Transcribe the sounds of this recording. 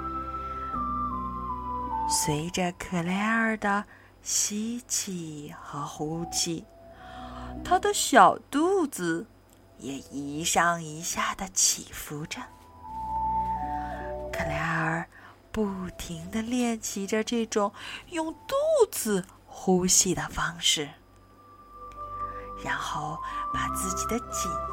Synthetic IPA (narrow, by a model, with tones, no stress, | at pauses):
swe˧˥ɪʈ͡ʂə˧kʰɤ˨˩la˧˥ə˞˨˩d̪ə˩ | ɕi˧˥t͡ɕʰi˨˩xɤ˧˥xu˧˥t͡ɕʰi˧˩˦ | t̪ʰa˥d̪ə˨ɕjɑ˨˩ʊt̪u˥˧t͡sɹ̩˧˩ | jɛ˨˩i˧˥ʂɑ˥˩ŋi˧˥ɕja˥˩d̪ə˩t͡ɕʰḭ˨˩fu˧˥ʈ͡ʂə˥˩n | kʰə˨˩la˧˥ə˞˧˨˩ | pu˥˩t̪ʰi˧˥ŋd̪ə˧ljɛ˥˩nt͡ɕʰi˧˥ʈ͡ʂə˧ʈ͡ʂɤ˥˩ʈ͡ʂʊ˨˩ŋjʊ˥˧ŋt̪u˥t͡sɹ̩˩ | xu˥ɕi˥˩d̪ə˩fɑ˥ŋʂɻ̩˥˩ | ɻa˧˥nxo˥˩ʊpa˨˩t͡sɹ̩˥˩t͡ɕi˨˩d̪ə˦t͡ɕi˨˩n